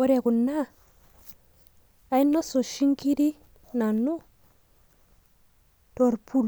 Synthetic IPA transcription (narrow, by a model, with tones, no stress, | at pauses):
o˦ɾe˨ku˨nːa˦ | a˨i˦nːo˦so˨ʃi˦ŋki˦ɾi˦ | na˨nːu˦ | to˨ɾpu˦l